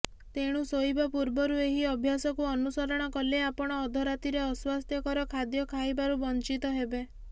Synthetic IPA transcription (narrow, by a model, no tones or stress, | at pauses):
t̪eɽ̃usoibɔpuɾbɔɾueɦiɔbʱjasɔkuɔnusɔɾɔɽ̃ɔkɔleapɔɽ̃ɔːd̪ʱɔɾat̪iɾeɔswast̪ʰjɔkɔɾɔkʰad̪jɔkʰajbaɾubɔnt͡ʃit̪ɔɦebe